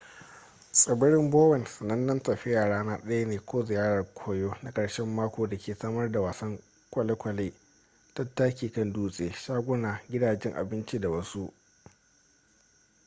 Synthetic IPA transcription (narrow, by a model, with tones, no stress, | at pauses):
sʼɪ˨bɪ˦ɽɪ˦mboː˦wɛ˨nsɐ˨nɐ˦nːɐ˦ntɐ˨ɸɪ˦jaː˨ɽaː˦naː˦ɗɐ˦ja˦neː˨kʷoː˦zɪ˨jaː˦ɽɐ˨rkʷʰoː˦joː˦na˦kʼɐ˨ɽʃɛ˦mːaː˦kʷoː˨da˨kʲʰeː˨saː˦mɐ˦rda˨waː˨sɐ˦ŋ | kʷɐ˨le˦kʷɐ˨leː˦ | tɐ˦tːaː˦kʲiː˨kɐ˦nduː˦sʼeː˨ʃaː˦ɡʷʊ˦naː˨ɡʲɪ˦daː˨d͡ʒɛ˦ŋʔa̰˨bɪ˦nt͡ʃi˦da˨wɐ˦su˦ʔ